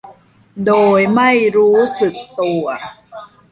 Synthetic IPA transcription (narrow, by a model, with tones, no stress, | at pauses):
doː˨˧jma˥˩jɾuː˦sɯ˨˩k̚t̪u˨˩ɐ